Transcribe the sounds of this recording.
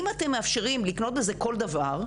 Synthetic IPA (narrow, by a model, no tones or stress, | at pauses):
imate̞mːe̞afʃeʁimlikno̞t̪̚beze̞ko̞ld̪avaʁ